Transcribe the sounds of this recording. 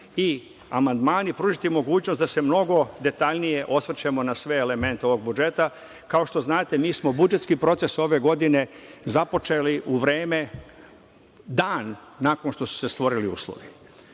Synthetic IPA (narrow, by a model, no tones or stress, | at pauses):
i | amand̪maːnipɾuʒit̪imo̞ɡuːt͡ɕnost̪d̪ase̞mno̞ɡo̞d̪e̞t̪aʎnije̞ʔo̞sʋr̩t͡ɕe̞mo̞nasʋe̞ːle̞me̞nt̪eo̞ʋo̞ɡ̚bud͡ʒe̞t̪a | kaoʃt̪o̞znaːt̪e̞miːsmo̞bud͡ʒet̪skipɾo̞t̪se̞so̞ʋe̞ɡo̞d̪ine̞zapo̞t͡ʃeliʔuʋɾeːme̞ | d̪aːnːako̞nʃt̪o̞su̥se̞st̪ʋo̞ɾiliṵːslˠo̰ʋi